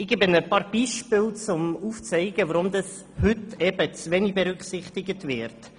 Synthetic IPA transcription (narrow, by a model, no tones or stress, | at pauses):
ɪɡ̥ebənəpɑːɾb̥iʃpɪlt͡sʊmuːft͡sɛɪɡəʋəɾʊmd̪ɑs | hʏtɛb̥ət͡sʋɛnibɛɾʉkχsɪχtɪɡətʋɪɾt